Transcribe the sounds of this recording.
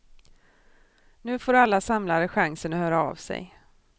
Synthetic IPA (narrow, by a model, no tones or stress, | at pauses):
nʉ̟ːfoːɾalːasamlaɾəɧaŋsənɔhœːɾaa̰vsɛ̰j